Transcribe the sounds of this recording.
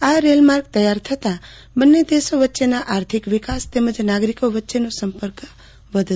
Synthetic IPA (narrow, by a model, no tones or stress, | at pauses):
aɾelmaɾɡ̚t̪əjaɾt̪ʰət̪a | bənːed̪esoʋətːʃenaʔaɾt̪ʰikʋikast̪eməd͡ʒnaɡɾikoʋətːʃenosəmpəɾk | ʋəd̪ʱ